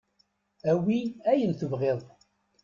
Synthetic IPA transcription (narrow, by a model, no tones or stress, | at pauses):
æwiæjənθəvʁeðˤ